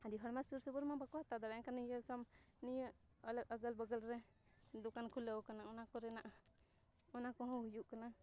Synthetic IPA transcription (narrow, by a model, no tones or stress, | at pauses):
ad̪iɦəɽmasuɾsəbəɾmabakɔhat̪ad̪aɾankanjəsɔmnijəʔ | ələk̚əɡəlbəɡəlɾɛ | d̪ukankʰuləwkanaʔɔnakɔɾɛnaʔ | ɔnakɔɦɔ̃hujuʔkana